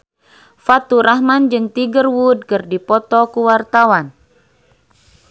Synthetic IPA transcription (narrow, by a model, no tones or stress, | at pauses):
fat̪uɾaɦmand͡ʒɨŋt̪iɡərwud̚kɨrdipɔt̪ɔkuwart̪awan